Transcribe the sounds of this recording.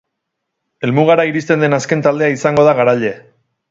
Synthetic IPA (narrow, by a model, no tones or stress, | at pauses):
e̞lmuɣ̞aɾaiɾist̪e̞nd̪e̞naske̞nt̪ald̪eaisaŋɡo̞ð̞aɣaɾaʎe̞